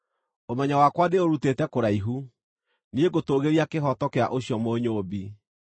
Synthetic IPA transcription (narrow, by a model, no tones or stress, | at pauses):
omɛɲawakwadeoɾutetɛkoɾaiɦu | nieɡotoɣeɾiakeɦɔtɔkea̰ʔoɕjɔmoɲoːbi